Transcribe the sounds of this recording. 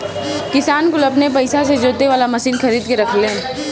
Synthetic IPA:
kɪsaːnkʊlɐpnep̬ɐɪsased͡ʒoːt̪eʋaːlamɐsiːnxɐɾiːd̪keɾɐkʰle

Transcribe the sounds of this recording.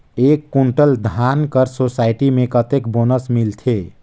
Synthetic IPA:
ekːuɳʈəld̪ʱankəɾsosaɪʈimẽkət̪ekbonəsmilt̪ʰe

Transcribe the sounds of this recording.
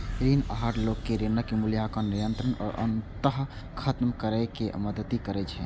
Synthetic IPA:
ɾinəɦaɾlokːeɾenəkːemuljakanijənt̪ɾənɔ̰ːɾʔə̰nt̪əɦ | kʰət̪mkəɾəkeməd̪əd̪ikəɾɛt͡ʃʰɛ

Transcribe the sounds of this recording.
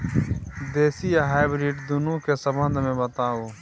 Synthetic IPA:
d̪eːsijaːɦaːjbɾiːʈd̪unũːkesɐbə̃nd̪mẽbɐt̪aːoː

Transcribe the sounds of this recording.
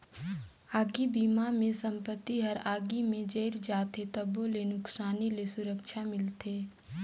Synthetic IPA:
aːɡibiːmamẽsɐ̃mpət̪ːiɦɐɾaːɡimẽd͡ʒeːɾd͡ʒaːt̪et̪əbolenʊksaːnilesʊɾəkʃʰamɪlt̪eː

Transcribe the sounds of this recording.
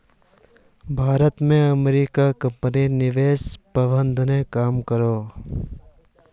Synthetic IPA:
bʱaːɾət̪mẽɐmɾiːkakə̃mpəninɪʋeːspəbə̃nd̪ʱnẽkaːmkəɾoː

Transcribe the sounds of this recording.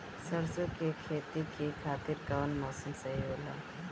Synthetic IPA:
sɐɾsokekʰeːt̪ikikʰaːt̪iɾkɐʋənmɔːsəmsɐɦiɦoːla̰ː

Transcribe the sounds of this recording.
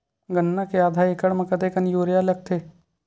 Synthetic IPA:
ɡənːakeaːd̪ʱaekəɽmɐ̃kət̪ekɐnjoːɾjalɐk̚t̪ʰeː

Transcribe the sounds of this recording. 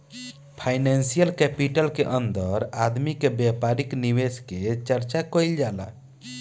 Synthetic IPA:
pʰaɪnɛnsijəlkɛpiʈəlkeʔənd̪əɾad̪mikebɛpaɾikniwesket͡ʃəɾt͡ʃakɔild͡ʒaːla̰

